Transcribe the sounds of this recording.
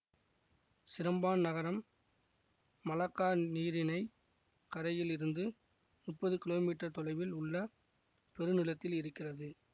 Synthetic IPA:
sɪɾɐmbaːnnɐɣɐɾɐm | ɐlɐkːaːniːɾɪnɐɪ | kɐɾɐjɪlɪɾɯnd̪ɯ | mʊʈpːɐðɯkɪloːmiːʈːɐɾt̪ɔlɐɪʋɪlʊɭːɐ | pɛɾɯnɪlɐt̪ːɪlɪɾɯkːɪrɐðɯ

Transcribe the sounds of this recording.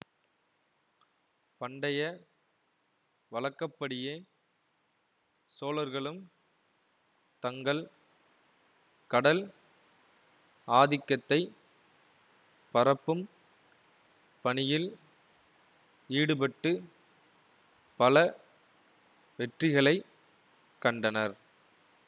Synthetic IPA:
pɐɳɖɐjɐ | ʋɐlɐkːɐpːɐɽɪjeː | soːlɐɾɣɐɭɯm | t̪ɐŋɡɐɭ | kɐɽɐl | aːðɪkːɐt̪ːɐɪ | pɐɾɐpːɯm | pɐɳɪjɪl | iːɽɯpɐʈːɯ | pɐlɐ | ʋɛʈrɪɣɐɭɐɪ | kːɐɳɖɐnɐɾ

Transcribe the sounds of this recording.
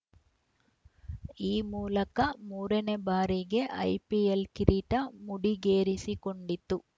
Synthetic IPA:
iːmuːlɐkɐmuːɾɐnebaːɾiɡe̞ʔɐ̰jpielkiɾiːʈɐmuɽiɡeːɾisikoɳɖit̪ːu

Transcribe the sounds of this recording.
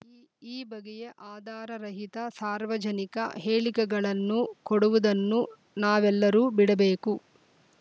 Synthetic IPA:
iːbɐɡɛjeʔaːd̪ʱaːɾɐɾɐɦit̪ɐsaːɾʋɐd͡ʒɐnikɐ̰ɦeːɭikɛɡɐɭɐnːukoɽuʋud̪ɐnːu | naːʋɛlːɐɾuːbiɽɐbeːku

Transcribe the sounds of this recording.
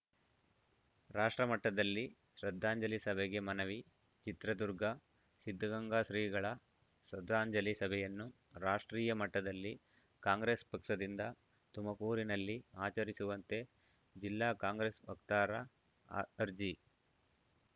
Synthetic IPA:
ɾaːʂʈɾɐmɐʈːɐd̪ɐlːi | ʃɾɐd̪ʱːaːɲd͡ʒɐlisɐbʱɛɡe̞mɐnɐʋi | t͡ʃit̪ɾɐd̪uɾɡʱɐ | sid̪ʱːɐɡɐŋɡaːsɾiːɡɐɭɐ | ʃɾɐd̪ʱːaːɲd͡ʒɐlisɐbʱɛjɐnːu | ɾaːʂʈɾiːjɐmɐʈːɐd̪ɐlːi | kaːŋɡɾespɐkʂɐd̪ind̪ɐ | t̪umɐkuːɾinɐlːiaːt͡ʃɐɾisuʋɐnt̪e̞ | d͡ʒilːaːkaːŋɡɾesʋɐkt̪aːɾɐː | ɾd͡ʒi

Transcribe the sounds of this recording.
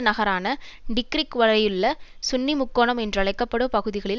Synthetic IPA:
nɐɣɐɾaːnɐɖɪkɾɪkʋɐlɐjɯɭːɐsʊnːimʊkːoːɳɐmɛndrɯɐɭɐɪkːɐpːɐɽɯmpɐɣɯðɪɣɐɭɪl

